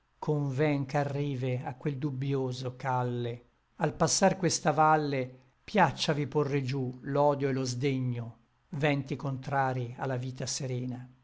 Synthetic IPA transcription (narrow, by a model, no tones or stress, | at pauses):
kʰoɱvɛŋkarːiːveakːweld̪ubjoːzokalːe | alpasːarkwest̪avalːe | pjat͡ʃːaviporːed͡ʒulɔːd̪joelozd̪eɲːo | vɛnt̪ikont̪ɾaːɾia̰lːaviːt̪aseɾɛːna